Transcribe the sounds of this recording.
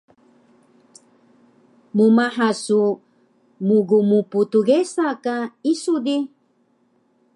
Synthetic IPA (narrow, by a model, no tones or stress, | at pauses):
mumaħasu | muɡumuputuɡesakaisudi